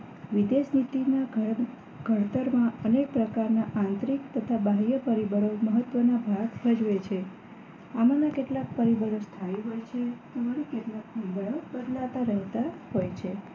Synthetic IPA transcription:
ʋid̪eʃnit̪ina | ɡ̥ʱəɽt̪əɾmãənek̚pɾəkaɾnaʔãnt̪ɾikt̪ət̪ʰabaɦjəpəɾibəɽoməɦət̪ʋənabʱaɡpʰəd͡ʒʋet͡ʃʰe | amanakeʈlak̚pəɾibəɾost̪ʰajɦojt͡ʃʰet̪əmaɾekeʈlak̚pəɾibəɭobəd̪laʋt̪aɾəɦt̪ahojt͡ʃʰe

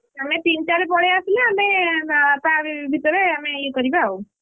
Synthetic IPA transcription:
amet̪inʈaɾepɔɽ̤easilaameapãbʱit̪ɔɾeamekɔɾibaaw

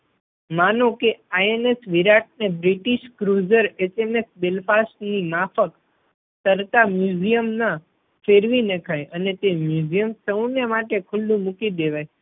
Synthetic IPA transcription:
manõkeaenesʋiɾaʈ̚nebɾiʈiʃkɾuzəɾet͡ʃemesbelfasʈnimafək | t̪əɾt̪amjuzijəmnã | feɾʋinekʰajʔənet̪emjud͡ʒijəmsə̃nemaʈekʰʊlːũmukid̪eʋaj

